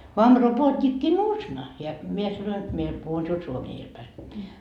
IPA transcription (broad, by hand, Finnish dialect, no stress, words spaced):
ʋɑm ropoːtʲikːinuːsnɑ jɑ mie sɑnoin mie puhun siul suomie iel pæi